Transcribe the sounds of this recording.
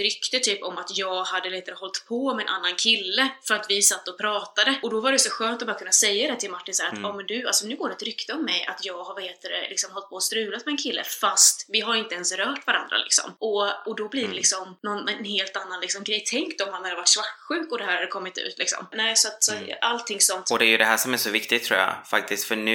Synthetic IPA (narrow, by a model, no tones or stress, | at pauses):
ɾʏkt̪əʈʰyːpɔmat̪jɑːɡhad̪ːəlɛt̪aɾəhɔlt̪pʰɔmɛːnʔa̰nːankʰɪlːəfœɾat̪vɪsat̪ːəɔpʰɾɑːt̪ad̪əɔd̪ɔvaɾɛjsɔɧøːnt̪ɔbɑːɾakɵnːasɛjːad̪ɛt̪ʰɪlmaʈːɪnsæːɾa̰t̪ʰɑːmɛnd̪ʉalsɔnʉ̟ːɡoːɖɛt̪ɾʏkt̪əɔmːɛjʔa̰t̪jɑːɡhaɾvaheːt̪əɾɛ̰lɪksɔmɦɔlt̪pʰɔːst̪ɾʉ̟ːlat̪mɛɛnkʰɪlːʔə̰fast̪vɪɦaɾɪnt̪əɛnsɾœːʈvaɾa̰nd̪ɾa̰lɪ̰ksɔ̰mʔɔɔd̪ɔblɪɖɛlɪksɔmnɔnɛnheːlt̪anːanlɪksɔmɡɾɛjt̪ʰɛŋkt̪ɔmhanhad̪əvaʈːʂvakɧʉ̟ːkɔd̪ɛhæːɾhad̪əkʰɔmːɪt̪ʉ̰ːt̪ʰlɪksɔ̰mnɛːsɔat̪sɔʔalt̪ʰːɪŋsɔnt̪ɔd̪ɛæjɵd̪ɛɦæʂɔmæʂɔvɪkt̪ɪɡ̚t̪ʰɾṵːja̰fa̰k̚t̪ɪst̪fœɳʉ